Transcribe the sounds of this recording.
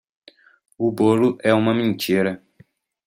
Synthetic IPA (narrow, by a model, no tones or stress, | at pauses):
ʊboɾʊʔɛũmɐmẽnt͡ʃiɾɐ